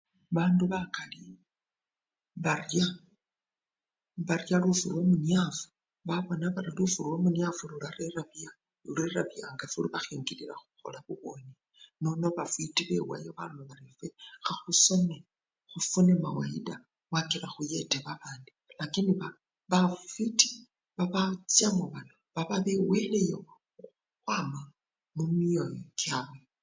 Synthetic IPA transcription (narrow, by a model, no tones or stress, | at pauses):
βaːnduβakali | βarja | βarjalufurwomunjafu̥ | βaβo̞naβaɾilufurwomunjafululaɾeɾaβja | uleɾaβjaŋɡafuliβaxiːŋɡiliɾa̰xu̥xo̞̰laβuβo̞ni | no̞noβafwitiβe̞̰wa̰jeβalnoβaɾifexaxuso̞ne | xufunemawaida | wakiɾaxuje̞teβaβaːndilakiniβa | βafiti̥ | βaβat͡sjamuβanoβaβaβewelejo | xwama | mumiojokjaβwe